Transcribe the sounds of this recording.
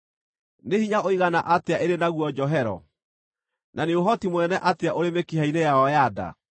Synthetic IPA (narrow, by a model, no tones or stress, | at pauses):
nehiɲaoiɣana̰ʔateaʔeɾenaɣwɔd͡ʑɔɦɛɾɔ̰ | nʔaneoɦɔtimoɛnɛʔateaʔoɾemekiɦainejaɔjada̰